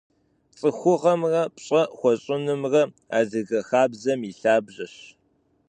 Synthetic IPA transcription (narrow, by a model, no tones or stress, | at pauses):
t͡sʼɨxʷʊʁɐmrɐpɕʼɐχʷɔɕʼɪnɨmrɐ | a̰ːzɨɣɐxaːbzɐmiɬaːbʑɐɕ